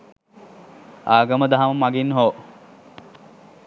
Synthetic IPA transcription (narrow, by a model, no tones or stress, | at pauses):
aːɡəməd̪aɦaməmaɡinɦoː